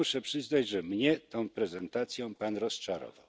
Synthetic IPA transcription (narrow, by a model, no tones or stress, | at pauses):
uʂɛpʂɘznad͡ʑʐɛmɲɛt̪ɔ̃w̃pɾɛzɛnt̪at̪sʲjɔ̃panɾɔst͡ʂaɾɔ̰vaw